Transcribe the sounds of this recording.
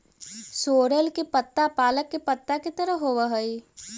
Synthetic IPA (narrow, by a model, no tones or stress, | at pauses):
soːɾəlkepət̪ːapaːləkːepət̪ːaket̪əɾəɦoʋəɦəi